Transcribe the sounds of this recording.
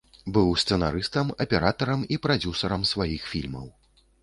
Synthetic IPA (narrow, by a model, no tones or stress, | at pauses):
bɨwst̪sɛnaɾɨst̪ɐmɐpʲɛɾat̪ɐɾɐmipɾad͡zʲusɐɾɐmsvajixfʲilʲmɐ̰w